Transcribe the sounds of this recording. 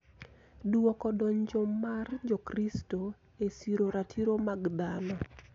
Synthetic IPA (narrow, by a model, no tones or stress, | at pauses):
duɔkɔdɔɲd͡ʒomːard͡ʒokristo | esiɾoɾatʰiɾomaɡd̪anɔ